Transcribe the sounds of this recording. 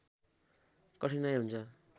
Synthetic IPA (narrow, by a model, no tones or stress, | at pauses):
kʌsinʌjɦunt͡sʰʌ